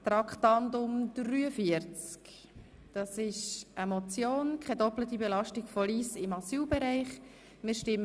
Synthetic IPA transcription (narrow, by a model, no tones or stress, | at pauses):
t̪ɾɑkχtɑndʊmd̥ryːəfiəɾt͡sk | d̥ɑsɪʃəmɔt͡sjoːnkʰɛdɔplət̪ibɛlɑʃtɪɡfɔliːsɪmɑsyːlbɛɾæɪχ | mɪːɾʃtɪmː